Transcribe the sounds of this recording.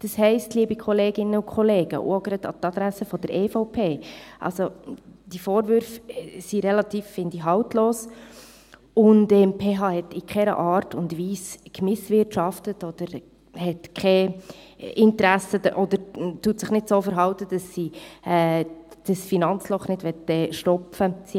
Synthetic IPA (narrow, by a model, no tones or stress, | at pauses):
d̥ɑshɛɪstliːbikʰɔleːɡ̥ɪnəʊkʰχɔleːɡ̥ə̰ʔʊ̰oɡɾɑd̥̪ɑ̰tɑd̪ɾæsəfɔdəɾʔefɔʊpʰeːʔɑ̰lsod̥ifoːɾvʏɾfsiɾɛlɑtiːfːɪndiɦɑltloːs | ʊndɛmpʰeːɦɑːhɛtɪkχɛɾə̰ʔɑːɾtʊndʋiːskmɪsvɪtʃɑftətɔd̪̥əɾ | hɛtkχɛ | ɪntɾæsədəʔɔd̥̪əɾtuːtsɪχnɪdsoːfəɾɦɑʊtəd̥ɑsːiɛd̥əsfinɑnt͡slɔχnɪdʋɛtːɛʃtɔpfəsi